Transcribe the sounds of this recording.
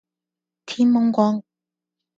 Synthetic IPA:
t̪ʰi˥nmɔ˥ŋkʷɔː˧˥ŋ

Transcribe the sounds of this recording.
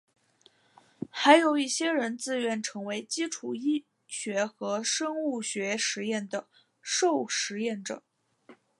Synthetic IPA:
xa˧˥ɪjo˨˩ʊi˥˩ɕjɛ˥ɻə˧˥nt͡sɹ̩˥˩ɥɛ˧˥nʈ͡ʂʰɤ˧˥ŋwe˧˥ɪt͡ɕi˥ʈ͡ʂʰu˨˩i˥ | ɕɥɛ˧˥xɤ˧˥ʂɤ˥ŋu˥˩ɕɥɛ˧˥ʂɻ̩˧˥jɛ˥˩nd̪ə˩ | ʂo˥˩ʊʂɻ̩˧˥jɛ˥˩nʈ͡ʂɤ̰˨˩˦

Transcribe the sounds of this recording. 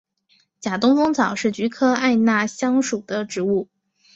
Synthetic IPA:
t͡ɕja˨˩t̪ʊ˥ŋfʊ˥ŋt͡sɑ˨˩ʊʂɻ̩˥˩t͡ɕy˧˥kʰɤ˥a˥˧ɪna˥˩ɕjɑ˥ŋʂu˨˩d̪ə˦ʈ͡ʂɻ̩˧˥u˥˩

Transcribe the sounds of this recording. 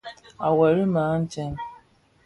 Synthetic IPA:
a˨wa˨ɾi˦mãː˨˦n̩˦t͡ʃɛ˦n

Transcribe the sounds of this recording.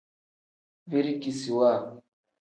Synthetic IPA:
ve˦ɾi˦ki˨si˨wa˦˨

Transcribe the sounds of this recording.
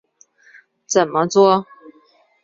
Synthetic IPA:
t͡sə˨˩nmə˦t͡swɔ˥

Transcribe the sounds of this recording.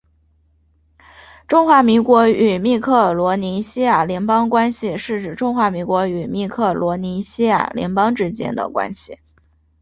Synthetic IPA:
ʈ͡ʂʊ˥ŋxwa˧˥mi˧˥ŋkwɔ˧˥y˨˩mi˥˧kʰɤ˥˩lwɔ˧˥ni˧˥ɕi˥ja˨˩ljɛ˧˥npɑ˥ŋkwa˥nɕi˨ʂɻ̩˥˩ʈ͡ʂɻ̩˨˩ʈ͡ʂʊ˥ŋxwa˧˥mi˧˥ŋkwɔ˧˥y˨˩mi˥˧kʰɤ˥˩lwɔ˧˥ni˧˥ɕi˥ja̰˨˩ljɛ̰˧˥npɑ˥ŋʈ͡ʂɻ̩˥t͡ɕjɛ̰˥nd̪ə̰˨kwa̰˥nɕi˨˩

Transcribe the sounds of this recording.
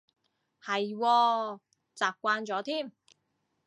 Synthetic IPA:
hɐ˨jwɔː˧ | t͡saː˨p̚kʷaː˧nt͡sɔː˨˥t̪ʰiː˥˩m

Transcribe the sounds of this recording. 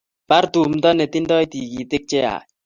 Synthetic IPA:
pa˦ɾtu˨m̩˨˦tɔ˦nɛ˨ti˦ndɔ˦i˦ti˨ɡi˨tɪ˦k̚t͡ʃɛ˦a̰˨

